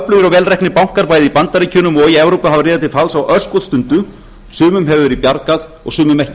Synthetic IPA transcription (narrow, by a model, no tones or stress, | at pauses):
plʏðʏɾawvɛːlrɛjhknɪpawŋ̥kaɾpaːjðɪipant̪aɾɪcʰʏːnʏmɔɣiɛvɾowpaɦavarɪːðat̪ɪlfalsawʔœskɔðst̪ʏnt̪ʏ | sʏːmʏmɦɛvʏɾipjaɾkaðɔ̰ɣsʏːmʏmɛhcɪ